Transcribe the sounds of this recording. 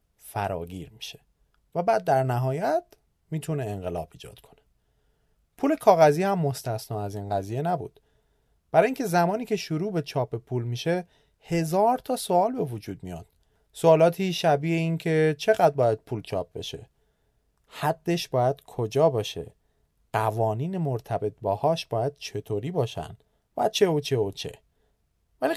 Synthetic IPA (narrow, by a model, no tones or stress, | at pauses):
fæ̰ɾɒ̰ːɟḭɾmi̥ʃe̞ | væbæːd̪̚ːæɾnæɦɒːjæt̪ʰ | miːt̪ʰune̞ːŋɢelɒ̰ːb̥iːd͡ʒɒ̰ːd̪kʰo̞̥ne̥ | pʰuːle̞kʰɒːɣæziːhæmːo̞st̪æsnɒːæziːnɢæziːje̞næbṵːd̪̥ | b̥æɾɒːjiːŋcʰe̞zæmɒːniːcʰe̞ʃoɾuːbe̞t͡ʃʰɒːpːepʰuːlmiːʃe | he̞zɒːɾt̪ʰɒːsoɒːlbe̞vod͡ʒuːd̪̚mijɒ̰d̪̥ | soːlɒːt̪ʰiːʃæbiːʔeiːncʰe̞t͡ʃʰe̞ɣæd̪̚bɒːjæd̪̥̚pʰuːlt͡ʃʰɒ̰ːp̚be̞̰ʃe̞̰ | hæd̪̥ːe̞ʃb̥ɒːjæd̪̥kʰod͡ʒɒːbɒːʃe̞̰ | ɢ̥ævɒːniːnemoɾt̪ʰæbe̞t̪̚bɒːhɒːʃbɒːjæd̪̥̚t͡ʃʰe̞t̪ʰoːɾiːbɒːʃæ̰n | væ̰t͡ʃʰe̞ot͡ʃʰe̞ot͡ʃʰe̞̰ | væli